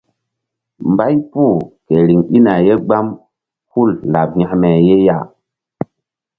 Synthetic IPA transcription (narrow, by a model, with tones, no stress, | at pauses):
mba˦jpu˦˨ke˨ɾi˨ŋi˦na˨je˦ɡ͡ba˦m | hu˦lla˨b̚ɲa˨hmɛ˨je˦ja˦˨